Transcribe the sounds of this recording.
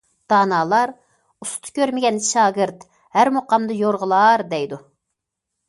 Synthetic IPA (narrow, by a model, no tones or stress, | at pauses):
d̪̥ɑːnɑːlˠɑɾ | ust̪ʰkʲʰøɾmɪɡʲɛnʃɑːɡɨɾt̪ | hæɾmoqɑmd̪ɨjoɾʁəlˠɑːɾd̪ɛjd̪u